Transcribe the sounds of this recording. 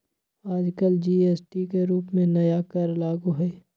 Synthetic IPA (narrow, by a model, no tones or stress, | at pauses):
aːd͡ʒkəld͡ʒiːeːsʈikeɾuːpmẽnɐjakɐɾlaːɡuɦɛː